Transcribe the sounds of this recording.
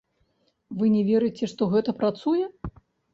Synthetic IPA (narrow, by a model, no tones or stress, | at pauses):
vɨnʲɛvʲɛɾɨjt͡sʲɛʂt̪ɔɣɛt̪ɐpɾat̪sujɛ